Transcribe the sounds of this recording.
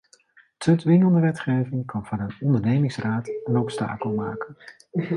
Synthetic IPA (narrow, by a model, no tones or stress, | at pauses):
tʰɵtʋɪŋəlˠdəʋɛtχejvɪŋkɑnvɑnənɔndəɹnejmɪŋsraːtɛnowksta̰ːkəlˠma̰ːkən